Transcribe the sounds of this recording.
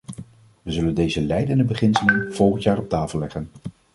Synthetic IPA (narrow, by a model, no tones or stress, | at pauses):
ʋəzɵləndejzəlɛjdəndəbəχɪnsələnv̥ɔlˠχəntjaːɾɔp̚taːfəlˠlɛχən